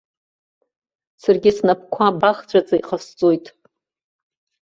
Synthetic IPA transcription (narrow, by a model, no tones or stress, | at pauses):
sarɡʲɪsnapʰkʷʰabaχt͡ɕʷʼat͡sʼaiqʰast͡sʼojtʼ